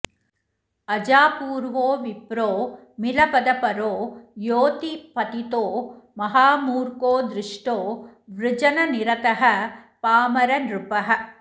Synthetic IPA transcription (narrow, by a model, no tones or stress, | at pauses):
ɐd͡ʒaːpuːɾʋoːʋipɾoː | milɐpɐd̪ɐpɐɾoːjoːt̪ipɐt̪it̪oːmɐɦaːmuːɾkoːd̪ɾɪʂʈoːʋɾɪd͡ʒɐnɐniɾɐt̪ɐɦɐpaːmɐɾɐnɾupɐɦɐ̆